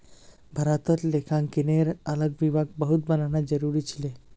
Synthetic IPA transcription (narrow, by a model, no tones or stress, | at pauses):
bʱəɾat̪ɔt̪lekʰãŋkineɾələɡʋibʱaɡ̚bəɦut̪̚bənanad͡ʒəɾuɾit͡ʃʰile